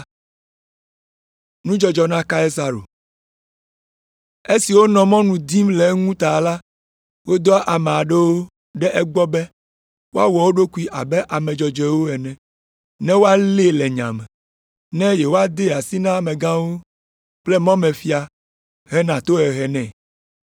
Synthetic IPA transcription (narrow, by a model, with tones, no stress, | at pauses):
nũ˦d͡ʒɔ˨d͡ʒɔ˨nã˦ka˦ɛ˦sa˦ɾo̰˨ | e˦si˨wo˦nɔ̃˨mɔ̃˦nũ˨d̪i˦mlɛ˨˦ŋũ˦t̪a˨la˦ | wo˦d̪ɔ˦ʔa˨mẽ˨a˨ɖɛ˦wo˦ | ɖɛ˦ʔɛ˦ɡ͡bɔ˦bɛ˦ | wo˦a˦wɔ˨wo˦ɖo˦ku˦i˦ʔa˨bɛ˦ʔa˨mɛ̃˨d͡ʒɔ˨d͡ʒɛ˨wo˦ɛ˨nɛ̃˨ | nɛ̃˦wo˦a˦le˦lɛ˨ɲã̰˨mɛ̃˨ | nɛ̃˦jɛ˨wo˦a˦d̪e˦˨a˨si˦nã˦˨mɛ̃˨ɡã˦wo˦ | k͡plɛ˦mã˦mɛ̃˨fi˦a˨ | ɦɛ˦nã˨t̪o˦ɛ˨ɦɛ˨nɛ̃˨